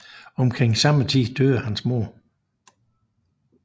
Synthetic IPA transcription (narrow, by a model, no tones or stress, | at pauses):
ɒ̽mkʰʁeŋ̰sɑ̈mət͡sʰḭːd̥øðˠəhænsmo̝ɐ